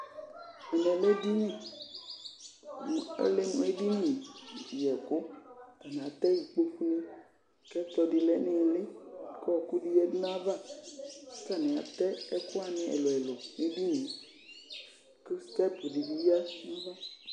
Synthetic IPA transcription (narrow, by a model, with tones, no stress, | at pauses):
e˨nɔ̃˨me˦di˦mĩ˨˦ | le˦m˦e˦di˦nĩ˨jɛ˨ko˦t̪a˨nã˨a˨t̪ɛ˦ji˨k͡pe˦ɸu˦nẽ˦ | kɛ˦tɔ˨di˨lɛ˦nẽ˨˦˨le˦kɔ˦ɔ˨ku˦di˦jɛ˦dnã˦vḁ˦˨˦ | sa˦nẽ˨a̰˨t̪ɛ˦ɛ˦ko˦a˨nɛ̃˦ḛ˨lɔ˨ɛ˨lo˨me˦bi˦nẽ˨ | ki˦st̪ɛ˦t̪o˨di˨bi˦a˦nũ˦vɔ˦